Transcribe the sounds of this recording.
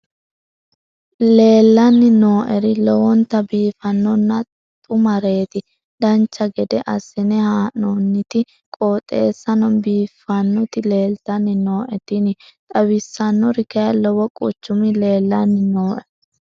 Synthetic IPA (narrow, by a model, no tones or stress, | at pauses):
le̞ːlːɐnːɪno̞ːʔɛɾɪlɔwɔnt̪ɐbiːfɐnːɔnːɐ | t̪ʼʊmɐɾe̞ːt̪ɪ | d̪̥ɐnt͡ʃːɐɡɛd̪ɛʔɐsɪnɛhaːnɔnːɪt̪ɪ | kʼoːt̪ʼːe̞̰ːsːɐnɔnbiːfːɐnːɔt̪ɪle̞ːlt̪ɐnːɪno̞ːʔɛt̪ɪnɪt̪ʼɐwɪsːɐnːɔɾɪkɛjɐlɔwɔkʼʊ̰t͡ʃːʊmɪle̞ːlːɐnːɪnoːʔɛ